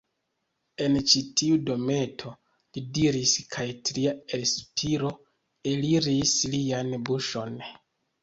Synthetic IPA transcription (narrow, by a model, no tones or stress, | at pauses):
e̞nt͡ʃitʰiudo̞me̞tʰo̞ | lidiɾiskʰajtɾiaespʰiɾo̞ | eliɾislianbuʃo̞n